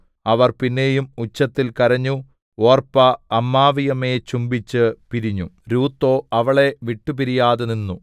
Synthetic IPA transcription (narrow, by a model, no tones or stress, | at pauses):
ɐʋɐrpinːe̞ːjumut͡ɕːɐt̪ːilkɐɾɐɲːu | o̞ːrpɐːmːaːʋijɐme̞ːt͡ɕumbit͡ɕːɨpiɾiɲːuɾuːt̪ːo̞ːɐʋɐɭe̞ʋiʈːupiɾijaːðeninːu